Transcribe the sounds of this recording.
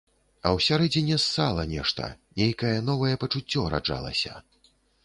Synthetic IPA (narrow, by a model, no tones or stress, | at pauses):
ɐwsʲaɾɛd͡zʲinʲɛsːalˠɐnʲɛʂt̪ɐ̰nʲejkɐjɛnɔvɐjɛpɐt͡ʂut͡sʲːɔɾa̰d͡ʐa̰lˠɐ̰sʲɐ̰